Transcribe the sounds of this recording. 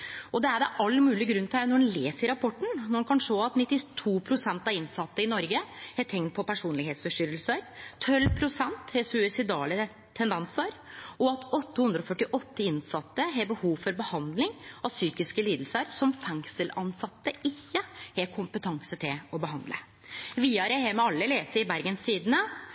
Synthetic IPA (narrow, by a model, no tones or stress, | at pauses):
ɔd̪ɛæɖɛʔɑlːəmʉːlɪɡɾʉnːt̪ʰænɔɖɛnleːsəɪɾɑpʰɔʈːɳ̩nɔɾnkʰɑnʂoːɑt̪nɪt̪ːɪt̪ʰuːpʰɾʊsɛnt̪ɑɪnsɑt̪ːəɪnɔɾɡəhet̪ʰɛŋt̪̚pʰɔpʰæʂuːnlɪɡheːt̪sfɔʂʈyːɾəl̩səɾt̪ʰœlːpʰɾʊsɛnt̪hɛsʉɪsɪd̪ɑːlə | t̪ʰɛnd̪ɛnsəɾʔɔɑt̪ʰɔt̪ːəhʉnd̪ɾɔfœʈːɪʔɔt̪ːəɪnsɑt̪ːəɦeɾbəhuːʋfɔɾbəhɑnd̪lɪŋɔsyːkɪskəliːd̪l̩səɾsɔmfɛŋsəlɑnsɑt̪ːəɪçːəhɛkʰʊmpət̪ʰɑŋsət̪ʰɪlɔbəhɑnd̪lə̰ | ʋiːɑɾəhɛɾmɛɑlːəleːsəɪbæɾɡənst̪iːd̪nə